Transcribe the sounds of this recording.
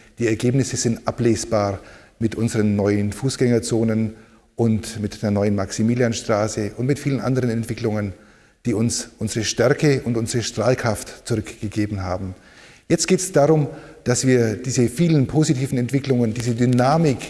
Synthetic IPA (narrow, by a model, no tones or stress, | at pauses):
d̥iːɛɐɡeːpnɪsəz̥ɪntʔapleːsb̥aːʁmɪtʔʊnzəʁənːɔʏənfuːsɡ̥ɛŋɐt͡soːnən | ʔʊntmɪtd̥eːɐnɔʏənmaksimiːljanʃtʁ̥aːsəʔʊntmɪtfiːlənʔa̰ndəʁənɛntv̥ɪklʊŋən | d̥iːʊnsʔʊnzəʁəʃtɛɐkəʊntʔʊnzəʁəʃtʁ̥aːlkʁ̥aftt͡sʊʁʏkɡ̥əɡeːbm̩ɦaːbm̩ | jɛt͡stɡ̥eːtɛsd̥aːʁʊmd̥asv̥iːɐd̥iːzəfiːlənpʰoːzitʰiːvn̩ɛntv̥ɪklʊŋəndiːzədynaːmɪk